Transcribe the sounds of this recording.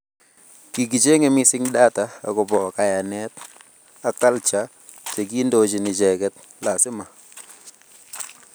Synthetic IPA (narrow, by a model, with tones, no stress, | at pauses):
ki˨ɡ̬i˨d͡ʒe˦ŋɛ˨mɪ˦sɪ˦ŋda˦ta˨a̰˨kɔ˨bɔ˨ka˨ja˨nɛ˦t | a˨ka˦lt͡ʃa˨˦ | t͡ʃe˨ɡi˦ndo˨d͡ʒɪ˨nɪ˨d͡ʒɛ˨ɡɛ˦t | la˨sɪ˦ma˨